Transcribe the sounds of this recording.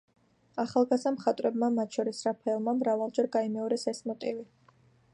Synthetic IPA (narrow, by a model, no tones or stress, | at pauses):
aχalˠɡazamχat̪ʼɾɛbmamat̪ʰʃɔɾisɾapʰɛːlˠmamɾavalˠd͡ʒɛɾɡaimɛɔɾɛsɛsmɔt̪ʼivi